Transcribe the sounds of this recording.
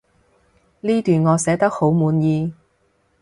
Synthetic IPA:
liː˥t̪yː˨nŋɔː˨˧sɛː˨˥t̪ɐ˥k̚ho˨˥wmuː˨˧njiː˧

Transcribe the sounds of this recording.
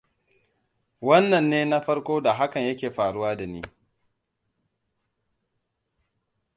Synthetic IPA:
wɐ˦nːɐ˨nːeː˦na˦ɸɐ˦ɽkʷoː˦da˨ɦa˦kɐ˨ɲjɐ˦kʲeː˨ɸaː˨ɽʊ˦waː˦da˨nḭː˦

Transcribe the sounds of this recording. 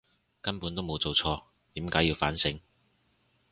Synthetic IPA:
kɐ˥npuː˨˥nt̪o˥wmo˨˧wt͡so˨wt͡sʰɔː˧ | t̪iː˨˥mkaː˨˥jiː˧wfa̰ː˨˥nsɪ˧ŋ

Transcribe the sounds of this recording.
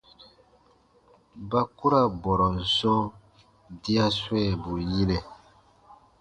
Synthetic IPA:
ba˦ku˦ɾa˦bɔ˨ɾɔ˨n̩˨sɔ̃˦ | di˦a˦swɛ˦˨bu˨ji˦lɛ˨

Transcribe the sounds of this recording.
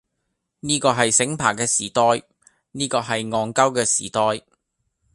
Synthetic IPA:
niː˥kɔː˧ɦɐ˨jsɪ˨˥ŋpʰaː˨˩kɛː˧siː˨˩t̪ɔː˧˥j | niː˥kɔː˧ɦɐ˨jŋɔː˨˧ŋkɐ˥wkɛː˧siː˨˩t̪ɔː˧˥j

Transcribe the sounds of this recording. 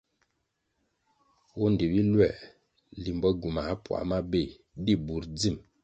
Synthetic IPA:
wo˦n˨de˨bi˦lwɛ˦˨ʔ | li˨m˨bɔ˦ɡu˨ma˨˦pwa̰˨ma˦be˦˨ | di˦˨bu˨ɾd͡zi˦˨m

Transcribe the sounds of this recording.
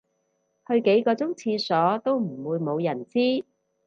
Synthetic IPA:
hɵ˧ɥke˨˥jkɔː˧t͡sʊ˥ŋt͡sʰiː˧sɔː˨˥t̪o˥wm̩˨˩wuː˨˧jmo˨˧wjɐ˨˩nt͡siː˥

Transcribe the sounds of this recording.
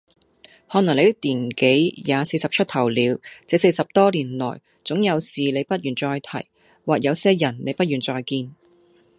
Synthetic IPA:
hɔː˨˥n˨˩ŋle˨˧t̪ɪ˥k̚t̪iː˨˩nke˨˥jjaː˨˧se˧jsɐ˨p̚t͡ʃʰɵ˥t̚t̪ʰɐ˨˩wliː˨˧wt͡sɛː˨˧˥se˧jsɐ˨p̚t̪ɔː˥liː˨˩nlɔ̰ː˨˩j | t͡sʊ˨˥ŋjɐ˨˧wsiː˨le˨˧jpɐ˥t̚jyː˨˩nt͡sɔː˧jt̪ʰɐ̰˨˩j | waː˨˩k̚jɐ˨˧wsɛː˥jɐ˨˩nne˨˧jpɐ˥t̚yː˨˩nt͡sɔː˧jkiː˧n

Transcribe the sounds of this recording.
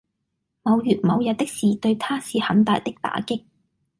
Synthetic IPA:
mɐ˨˧wjyː˨˩t̚mɐ˨˧wjɐ˨t̪̚ɪ˥k̚siː˨t̪ɵ˧ɥt̪ʰaː˥siː˨˧hɐ˨˥nt̪aː˨jt̪ɪ˥k̚t̪a̰ː˨˥kɪ˥k̚

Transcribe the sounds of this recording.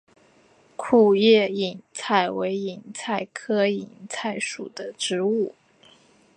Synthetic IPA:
kʰu˥˩jɛ˥˩i˨˩nt͡sʰa˥˩ɪwe˧˥ɪi˨˩ŋt͡sʰa˥˩ɪkʰɤ˥i˨˩nt͡sʰa˥˩ɪʂṵ˨˩d̪ə˦ʈ͡ʂɻ̩˧˥u˥˩

